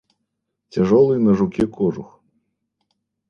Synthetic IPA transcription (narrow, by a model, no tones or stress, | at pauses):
t͡sʲaʐɔlˠɨjnɐʐukʲɛkɔʐux